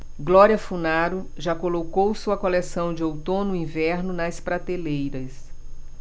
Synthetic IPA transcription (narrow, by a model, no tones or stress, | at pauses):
ɡlɔɾiɐfunaɾʊ | ʒakolokowsuɐkolɛsɐ̃w̃d͡ʒɪowt̪õnʊĩvɛɾnʊnɐspɾat̪elejɾɐs